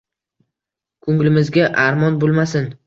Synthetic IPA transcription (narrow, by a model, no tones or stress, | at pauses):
kʰʊŋlɪmɪzɡʲaʔaɾmɒnbolˠmasɪn